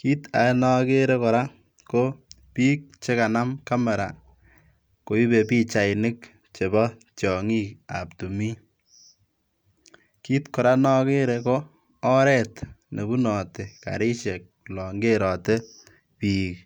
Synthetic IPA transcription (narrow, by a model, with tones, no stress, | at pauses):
ki˦ta̰˨˦nɔ˦ke˦ɾe˦kɔ˨ɾa˦ | ko˦piː˦k̚t͡ʃe˦ka˨na˦mka˦mɛ˨ɾa̰˨ | ko˨i˦be˨piː˦t͡ʃa˨ɪnɪ˦k | t͡ʃe˨bɔ˦ | t͡ʃɔ˨ŋi˦ka̰˨p̚tu˨mi˦ | kiː˦tkɔ˨ɾa˦nɔ˦ke˦ɾe˧koː˦ | ɾɛ˦tne˨bu˦nɔ˨te˨ka̰˨ɾi˦ʃe˨k̚ | lɔ˨ŋɡe˦ɾɔ˨te˦ | piː˨k